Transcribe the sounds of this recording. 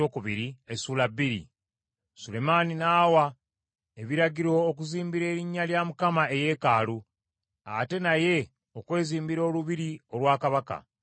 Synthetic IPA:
okuβiɾiesuːlabːiɾḭ | sule̞maninaːwa | eβiɾaɟiɾooːkuziːmbiɾe̞ːɾiɲːaljamukamae̞je̞ːkaːlu | a̰te̞naje̞ | okwe̞ːziːmbiɾo̞ːluβiɾio̞lwaːkaβaka̰

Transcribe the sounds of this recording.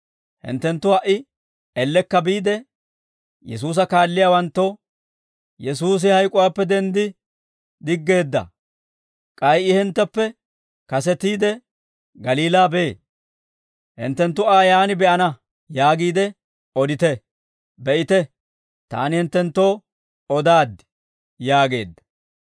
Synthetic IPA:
hɪ̰nt̪ːɛnt̪ːʊhɐʔɪ | ɛlːɛkːɐbiːd̪ɛ | jɛ̰s̬uːs̬ɐkaːlːɪjaːwɐnt̪ːoː | jɛs̬uːs̬ɪhɐjkʼʊwaːpːɛd̪ɛnd̪ɪ | d̪ɪɡːe̞ːd̪ːɐ̰ | kʼɐjʔɪhɪnt̪ːɐpːɛ | kɐs̬ɛt̪iːd̪ɛ | ɡɐliːlaːbe | hɪ̰nt̪ːɛnt̪ːʊaːjaːnɪbɛʔɐnɐ | jaːɡiːd̪ɛ | ɔd̪ɪt̪ɛ | bɛʔɪt̪ɛ | t̪a̰ːnɪhɪnt̪ːɛnt̪ːo̞ː | ɔd̪aːd̪ɪ̥ | jaːɡe̞ːd̪ːɐ̥

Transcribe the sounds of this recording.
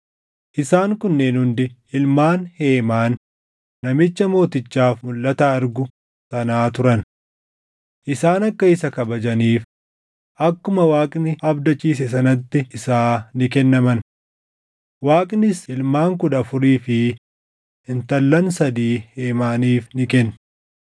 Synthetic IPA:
ʔɪsaːŋkʊnːeːnhʊnd̪ɪɪlmaːnhe̞ːmaːnː | ɐmɪt͡ʃːɐmo̞ːt̪ɪt͡ʃːaːfmʊlːɐt̪aɐɾɡʊ | sɐnaːt̪ʊɾɐn | ʔɪsaːnɐkːɐɪsɐkɐbɐd͡ʒɐniːf | ʔɐkːʊmɐwaːkʼnɪɐbd̪ɐt͡ʃːiːs̬ɛs̬ɐnɐt̪ːɪɪsaːnɪkɛnːɐmɐn | waːkʼnɪsɪlmaːŋkʊᶑ̪ɐfʊɾiːfɪ | ɪnt̪ɐlːɐnsɐd̪iːheːmaːniːfnɪkɛnː

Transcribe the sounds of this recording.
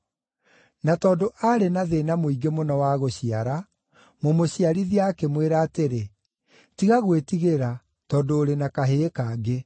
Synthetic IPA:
natɔːdoʔaɾenaðeːnamoiɡemonɔwaɣoɕiaɾa | momoɕiaɾiðiakemweɾaːteɾe | tiɣaɣwetiɣeɾa | tɔːdoːɾenakaɦekaːɡe

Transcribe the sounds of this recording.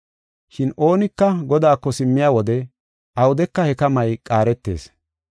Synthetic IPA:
ʃɪnʔo̞ːnɪkːɐɡɔd̪aːkːɔsɪmːɪjaːwɔd̪ɛ | ʔɐwʊd̪ɛkːɐhɛkɐmɐjkʼaːɾɛt̪ːe̞̰ːs

